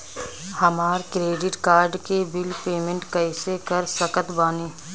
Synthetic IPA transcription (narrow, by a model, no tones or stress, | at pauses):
hɐmaːɾkɾeːɖɪʈkaːɾɖkebɪlpeːmẽɳʈkɐɪsekɐɾsɐkət̪baːneː